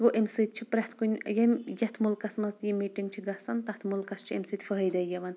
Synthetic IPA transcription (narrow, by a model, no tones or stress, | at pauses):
ɡoʔemsɨt̪̚t͡ʃʰipɾʲɐht̪ʰkunʲjɐmʲjɐt̪ʰmulkɐsmɐst̪jimiːʈiŋɡt͡ʃʰiɡɐsɐnt̪ɐht̪ʰmulkɐst͡ʃʰiḛmsɨt̪ʲfəɦɐjd̪ɐjjɐʋɐn